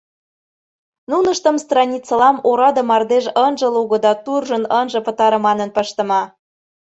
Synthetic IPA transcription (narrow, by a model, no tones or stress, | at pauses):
nunə̆ʃt̪ə̆mst̪rɑnʲit͡sə̆lɑmoɾɑd̪ɤ̆mɑrd̪eʒənʒə̆luɣɤ̆d̪ɑt̪urʒə̆nənʒə̆pə̆t̪ɑɾə̆mɑnə̆npəʃt̪ə̆mɑ